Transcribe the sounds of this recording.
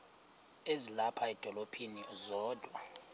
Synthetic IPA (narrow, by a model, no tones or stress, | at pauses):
ezilapʰaɛd̥ʱɔlopʰiniɛzɔːd̥ʱwa